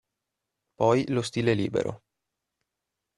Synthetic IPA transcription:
pɔjlost̪iːleliːbḛɾo̰

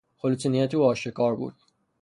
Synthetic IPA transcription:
xolut̪ʰinijæt̪ʰuɒːʃekʰɒːɾbṵːd̪̥̚

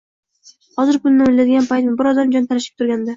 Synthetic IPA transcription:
hɒzɪɾpʊlnɪmɪlːad̪ɪɡʲanpʰajt̪nɪbɪɾɒzd̪amd͡ʒɒnt̪ʰaɾɪʃɪ̥p̚t̪ʰʊɾɡʲand̪a

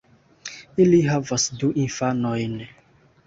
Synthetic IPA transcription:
iliɦavasduʔĩnfanɔjn

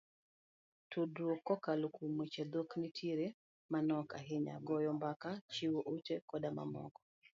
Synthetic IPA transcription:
tuduɔkːɔkalukumwit͡ʃɛd̪oknitʰiɾe | manɔka̰ɦɪɲa̰ɡɔjɔmbakat͡ʃiwɔʔut͡ʃɛkɔdama̰mɔ̰kɔ̥

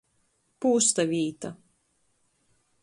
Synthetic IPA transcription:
puːst̪avʲiːt̪a

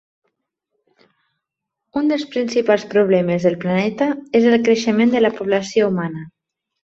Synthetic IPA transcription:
und̪əlˠspɾinsipalˠspɾuβ̞lɛməzðəlˠplanɛt̪əezəlˠkɾeʃəmend̪ələpuβləsioumanə

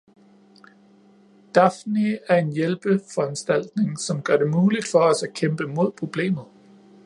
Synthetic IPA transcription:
d̥ɑ̈fniæɐe̝njelb̥əfɒ̽ænsd̥æl̰d̥ne̝ŋsɒ̽mɡ̥ɶɐde̝muːlid̥fɒ̽ɒ̽sækʰemb̥əmo̝ð̞̰ˠpʰʁo̝b̥le̝̰ːmð̩ˠ

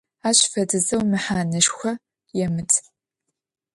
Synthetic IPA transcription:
aːɕfɐdɨzɐwmɨħaːnɐʃxʷɐ | jɛmɨtʰ

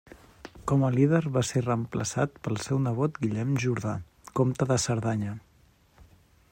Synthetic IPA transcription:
kɔməlið̞əɾβaserəmpləsat̪pəlˠsɛwnəβ̞ot̪ɡiʎɛmʒuɾða | komt̪əðəsəɾðaɲə

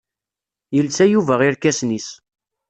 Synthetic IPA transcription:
jəlsæjuvæʁiɾkæsnis

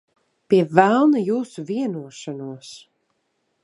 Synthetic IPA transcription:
piɛvælˠnajuːsuviɛnuɔʃanuɔs

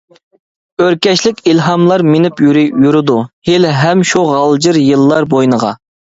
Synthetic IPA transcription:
øɾkʲɛt͡ʃlɪkʲilɦɑmlˠɑɾmenɪpjyɾɪjuɾɨd̪uhelɦɛmʃuʁɑlˠd͡ʒɨɾjɨlˠːɑɾbojnəʁɑ̰

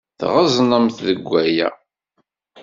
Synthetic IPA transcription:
θʁəzˤnəmθðəɡʷːæjæ̰

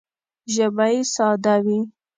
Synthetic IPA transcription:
ʒabaisɑd̪awi

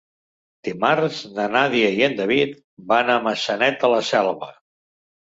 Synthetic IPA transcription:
d̪̥imaɾznənaðiəiənd̪əβit̪̚ | banaməsənɛt̪ələsɛlˠβə

